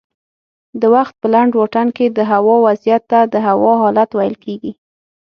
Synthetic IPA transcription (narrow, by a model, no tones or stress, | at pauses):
d̪əwaxt̪̚pəlaɳɖwɑʈanked̪əɦawɑwazjat̪ːad̪əɦawɑɦɑlat̪wajəlkeɡi